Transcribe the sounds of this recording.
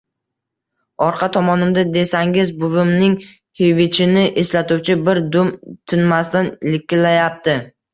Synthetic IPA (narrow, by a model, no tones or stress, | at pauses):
ɒɾqʰɑt̪ʰɒmɒnɪmd̪ad̪e̞saŋɪzbʊvɪmnɪŋ | hevɪt͡ʃʰɪnɪʔeslat̪ʰʊwt͡ʃʰɪbɪɾd̪ʊmt̪ʰɪnmast̪anlɪkʲːɪlːajap̚t̪ɪ